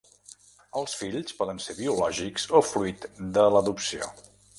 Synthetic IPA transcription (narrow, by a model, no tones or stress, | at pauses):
əlˠsfiʎspɔðənseɾβiulɔʒikz̥ofɾuit̪d̪ələðupsio̰